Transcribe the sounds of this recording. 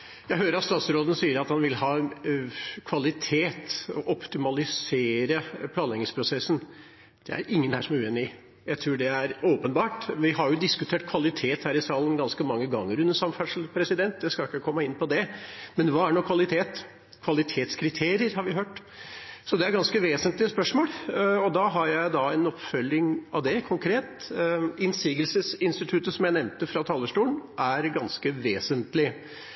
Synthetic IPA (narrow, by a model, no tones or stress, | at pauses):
jæɪɦøːɾəɾɑt̪st̪ɑːt̪sɾoːd̪ənəsiːəɾɑt̪hɑnʋɪlhɑː | kʰʋɑlɪt̪ʰeːt̪ɔ̰ʔɔpt̪ɪmɑlɪseːɾəpʰlɑːɛŋɪŋspʰɾʊsɛsːən | d̪̥ɛ̰æ̰ɾɪŋːənhæ̰ːʂɔmæʉːeːnɪ | jæɪt̪ʰɾuːɖɛæɾoːpənbɑːʈʋɪɦɑɾjʊd̪ɪskʉt̪ʰeːʈ̚kʰʋɑlɪt̪ʰeːt̪hæːɾɪsɑːlən̩ɡɑnskəmɑŋːəɡɑŋːəɾʉnəsɑmfæʂl̩pʰɾɛsɪd̪ɛnt̪̚d̪ɛskɑɪkːəkʰɔmːəɪnːpʰɔd̪ɛmɛnʋɑːæɳɔkʰʋɑlɪt̪ʰeːt̪ | kʰʋɑlɪt̪ʰeːt̪skʰɾɪt̪ʰeːɾɪəɾɦɑɾʋɪɦøːʈ | sɔd̪ɛæɾɡɑnskəʋeːsənt̪lɪəspœʂmoːlɔd̪ɑɦɑɾjæɪd̪ɑɛnɔpfœlːɪŋɑ̰ʋd̪ɛkʰʊŋkʰɾeːt̪ɪnsiːɡəlsəsɪnst̪ɪt̪ʰʉt̪əsɔmjæɪnɛʋnt̪əfɾɑt̪ʰɑːlːəʂʈuːlənʔæɾɡɑnskəʋeːsənt̪lɪ